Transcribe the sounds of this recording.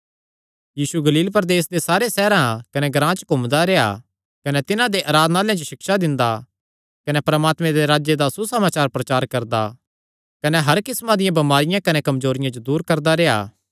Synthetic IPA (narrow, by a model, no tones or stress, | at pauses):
jiːsuɡɐliːlpɐɾd̪eːs̬d̪esaːɾesɛːɾãkɐnɛɡɾãːt͡ʃkomd̪aɾea̰ | kɐnɛt̪ɪnãd̪eʔaːɾaːd̪naːljãd͡ʒoʃɪkʃad̪ɪ̃nd̪a | kɐnɛpɾɐmaːt̪mẽd̪eɾaːd͡ʒed̪asusɐmaːt͡ʃaːɾpɾɐt͡ʃaːɾkɐɾd̪a̰ | kɐnɛɦɐɾkɪsmãd̪ɪjãbɐmaːɾɪjãkɐnɛkɐmzoːɾɪjãd͡ʒod̪uːɾkɐɾd̪aɾeːa̰ː